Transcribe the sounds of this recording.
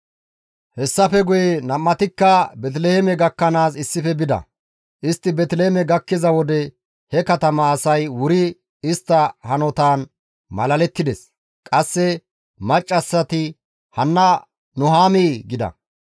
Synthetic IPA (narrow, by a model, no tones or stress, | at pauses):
hɛsːɐfɛɡʊjɛnɐmːɐt̪ɪkːɐbɛt̪̬lehemɛɡɐkːɐnaːs̬ɪsːɪfɛbɪd̪ɐ̰ | ʔɪst̪ːɪbɛt̪leːmɛɡɐkːɪzɐwɔd̪ɛ | hɛkɐt̪ɐmɐːsɐjwʊɾɪ | ɪst̪ːɐhɐnɔt̪aːn | mɐlɐlɛt̪ːɪd̪ɛs | kʼɐsːɛ | mɐt͡ʃʼːɐsːɐt̪ɪ | hɐnːɐ | nʊɦaːmiːɡɪd̪ɐ̰